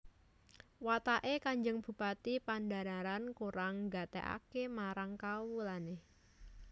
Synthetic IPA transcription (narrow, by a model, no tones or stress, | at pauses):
wat̪aʔekaɲd͡ʒəŋb̥ṳpat̪ipandaɾaɾankuɾaŋɡat̪ḛʔa̰kemaɾaŋkawulaneh